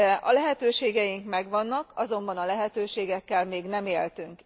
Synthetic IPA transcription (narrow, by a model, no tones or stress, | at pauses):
ɛʔɒ̰lɛɦɛt̪øːʃeːɡɛjiŋkmɛɡʋɒnːɒkɒzo̞mbɒnɒlɛɦɛt̪øːʃeːɡɛkːɛlmeːɡnɛmeːlt̪yŋk